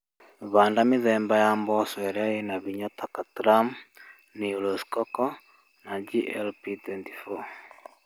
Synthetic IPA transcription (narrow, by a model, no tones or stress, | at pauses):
βaːndameðɛːmbajambɔswɛɾɛaenaβiɲɔtakatɾam | niulɔskɔkɔ | nad͡ʒiʔɛlpitwɛntifɔ